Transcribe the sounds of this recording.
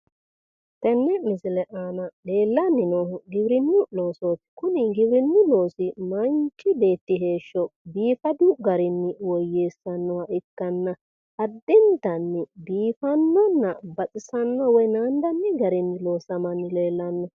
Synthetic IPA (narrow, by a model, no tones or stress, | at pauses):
t̪ɛnːɛmɪsɪlɛʔaːnɐle̞ːlːɐnːɪnɔɡɪbɾɪnːʊlo̞ːsoːtːɪ̥kʊnɪɡɪbɾɪnːʊlo̞ːsɪmɐnt͡ʃːɪbe̞ːt̪ːɪɦe̞ːʃːɔbiːfɐd̪ʊɡɐɾɪnːɪwɔjːeːsːɐnːɔwɐʔɪkːɐnːɐ | hɐd̪ːɪnt̪ɐnːɪbiːfɐnːɔnːɐbɐt͡sʼɪsɐnːɔwɔjnaːnd̪ɐnːɪɡɐɾɪnːɪloːsɐmɐnːɪle̞ːlːɐnːɔ